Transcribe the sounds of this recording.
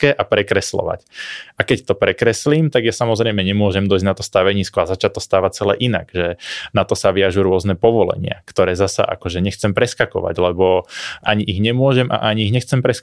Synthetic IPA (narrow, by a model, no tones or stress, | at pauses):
kɛːʔapɾɛkɾɛslɔ̰ʋa̰cakɛct̪ɔpɾɛkɾɛsliːmt̪aɡjasamɔzɾɛjmɛɲɛmʊɔʒɛmd̪ɔizɟnat̪ɔst̪aʋɛɲiːskɔazat͡ʃac̚t̪ːɔst̪aːʋat͡sɛlɛ̰ʔina̰ɡʒɛnat̪ɔsaʋiaʒuɾʊɔznɛpɔʋɔlɛ̰ɲɪa̰kt̪ɔɾɛːzasa̰ʔa̰kɔʒɛɲɛxt͡sɛmpɾɛskakɔ̰ʋa̰ɟlɛbɔʔaɲiʔiɣɲɛmʊɔʒɛmʔa̰ʔaɲiiɣɲɛxt͡sɛmpɾɛsk